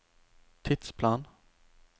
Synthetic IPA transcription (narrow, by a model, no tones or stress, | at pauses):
t̪ʰɪt̪spʰlɑːn